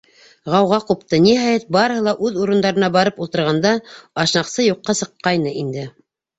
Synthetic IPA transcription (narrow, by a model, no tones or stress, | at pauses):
ʁɑwʁɑqupt̪ɤnihɑjɘt̪̚bɑɾɤhɤlˠɑʔʉðuɾɤ̆nd̪ɑɾɤ̆nɑbɑɾɤpulˠt̪ɤ̆ɾʁɑnd̪ɑɑʃnɑqsɤjuqːɑsɤ̆qːɑjnɤʔind̪ɘ